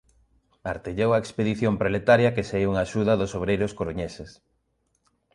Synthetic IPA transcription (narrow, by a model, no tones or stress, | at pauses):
aɾt̪eʎowɐekspeðiθjompɾolet̪aɾjɐkeseiuŋaːʃuðɐðʊsoβ̞ɾejɾʊskoɾoɲeses